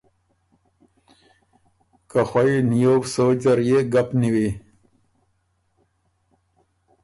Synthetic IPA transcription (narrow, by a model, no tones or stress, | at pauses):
kaxainijoːwsod͡ʑaɾjeɡapniwi